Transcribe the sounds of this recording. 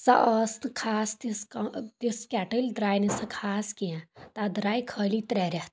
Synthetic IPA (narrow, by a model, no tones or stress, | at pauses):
sa̰ʔɔsnkʰaːst̪ist̪iskɛʈəlʲd̪ɾaːjnesɐkʰaːskijãt̪ad̪ɾaːikʰəːlit̪ɾɛːɾʲɛt̪